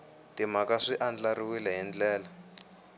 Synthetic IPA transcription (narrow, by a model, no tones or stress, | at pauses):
timakaʂiʔand͡ɮariwilɛɦind͡ɮɛːla